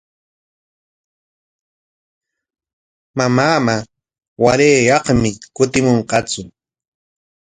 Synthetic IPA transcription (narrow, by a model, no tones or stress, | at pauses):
mamaːma | waleːjɑχmɪkʊt̪ɪmoɴqɑt͡sʊ